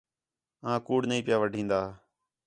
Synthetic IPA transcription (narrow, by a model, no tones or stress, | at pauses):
ãːkuːɽnəĩːpɪjaːʋəɖʱĩːnd̪aː